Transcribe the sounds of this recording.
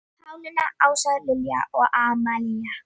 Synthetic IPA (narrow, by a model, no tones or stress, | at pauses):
hawnunaʔawʃalɪlja̰ʔoʔamaːlɪja